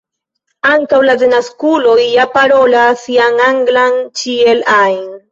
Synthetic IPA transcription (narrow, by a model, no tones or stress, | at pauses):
aŋkawladenaskulojjapaɾolasjaŋaŋɡlaŋt͡ʃielajn